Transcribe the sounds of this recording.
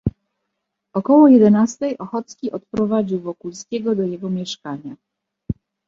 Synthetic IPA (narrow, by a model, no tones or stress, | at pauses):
ɔkɔwɔjɛd̪ɛnast̪ɛjʔɔxɔt̪skʲiʔɔt̪̚pɾɔvad͡ʑiwvɔkulskʲɛɡɔd̪ɔjɛɡɔmʲjɛʂkaɲa